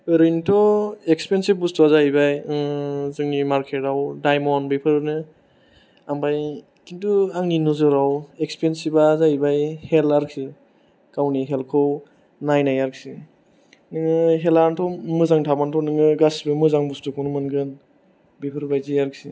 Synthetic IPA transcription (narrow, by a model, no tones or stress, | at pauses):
ɯɾintʰɔekspensib̚bustʰuazaibaj | zɯŋnimaɾkʰetawdajmɔnbipʰɯɾnɯ | ambaj | kintuaŋninɔzɯɾawekspensibazajbajhelaɾkʰsi | kawniɦelkʰɯw | najnajaɾksi | nɯŋɯɦelaɾntʰɔmɯzaŋtʰabantʰɔnɯŋɯɡasbɯmɯzaŋbustukʰɔnɯmɯnɡɯn | bipʰɯɾbajzijaɾksi